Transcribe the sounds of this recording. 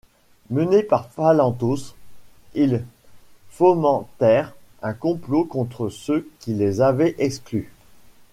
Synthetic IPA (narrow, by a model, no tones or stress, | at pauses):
mənepaʁfalɑ̃t̪us | il | fɔmɑ̃t̪ɛʁɛ̃kɔ̃plokɔ̃t̪χəsøkʲilezavɛʔɛkskly